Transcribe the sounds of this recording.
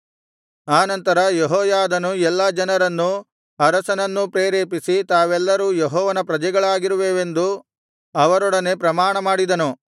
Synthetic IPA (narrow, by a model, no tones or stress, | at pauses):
aːnɐnt̪ɐɾɐjeɦɔːjaːd̪ɐnuɛlːɐd͡ʒɐnɐɾɐnːu | ɐɾɐsɐnɐnːupɾeːɾeːpisit̪aːʋɛlːɐɾuːjeɦɔːʋɐnɐpɾɐd͡ʒɛɡɐɭaːɡiɾuʋeːʋe̞nd̪u | ɐʋɐɾɔɽɐne̞pɾɐmaːɳɐmaːɽid̪ɐnu